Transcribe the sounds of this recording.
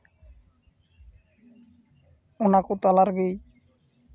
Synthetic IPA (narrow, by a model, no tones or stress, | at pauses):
onakot̪alaɾɡej